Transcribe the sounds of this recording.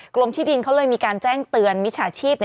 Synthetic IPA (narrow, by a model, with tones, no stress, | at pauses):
klo˧mt̪ʰiː˥˩di˧nkʰa˦˥wlɤː˧jmiː˧kaː˧nt͡ɕɛː˥˩ŋt̪ɯ˧ənmi˦˥t͡ɕʰaː˨˦t͡ɕʰiː˥˩p̚n˧